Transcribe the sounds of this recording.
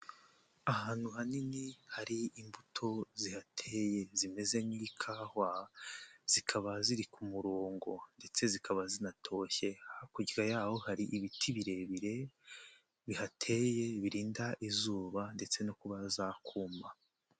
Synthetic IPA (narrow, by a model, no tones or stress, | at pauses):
ahaːn̥uhaninihaɾiimbutʰo̞zihatʰeje̞zime̞ze̞niikʰaːhwa | z̥ikʰaβaziɾikumuɾoːŋɡo̞nde̞t͡se̞zikʰaβazinatʰo̞ːçe̞akuɟiɡajaːho̞haɾiʔiβitʰiβiɾe̞βiɾe̞ | βihatʰe̞je̞βiɾiːndaʔizuːβande̞t͡se̞nokuβazakʰuːma